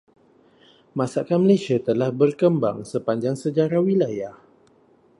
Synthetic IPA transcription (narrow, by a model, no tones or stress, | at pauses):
mãsakanməlasiat̪əlahbərkəmba̰ŋsəpaɲd͡ʒaŋsəd͡ʒaɾawilajah